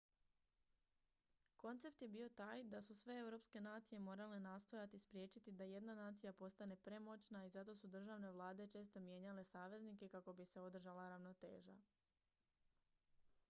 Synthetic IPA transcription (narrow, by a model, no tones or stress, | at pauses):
ko̞nt̪se̞pt̪je̞bio̞t̪aːjd̪asusʋe̞e̞wɾo̞pske̞naːt̪sije̞mo̞ːɾale̞naːst̪o̞jat̪ispɾje̞ːt͡ʃit̪id̪aje̞d̪nanaːt̪sijapo̞st̪ane̞pɾe̞mo̞t͡ʃnaizat̪o̞sud̪r̩ʒaʋne̞ʋlˠaːd̪e̞t͡ʃe̞ːst̪o̞mje̞ːɲale̞saːʋe̞znike̞kako̞bise̞o̞d̪r̩ʒalaɾaʋno̞t̪e̞̰ːʒa̰